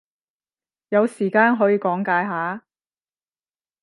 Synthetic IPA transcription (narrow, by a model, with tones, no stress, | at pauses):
jɐ˨˧wsiː˨˩kaː˧nɦɔː˨˥jiː˨˧kɔː˨˥ŋkaː˨˧jɦaː˨˥